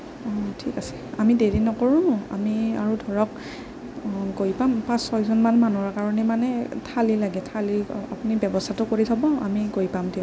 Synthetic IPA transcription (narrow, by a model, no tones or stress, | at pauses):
ɔtʰikasɛ̥amideɹinɔkoɹũa̰miaɹudʱɔɹɔk | koipampãsɔjzɔnmanmanɔɹkaɹɔnɛmanɛtʰalilaɡɛtʰalia̰pʊnibɛbɔstʰatʊkoɹitʰɔbɔa̰mikojpamtiɔ̃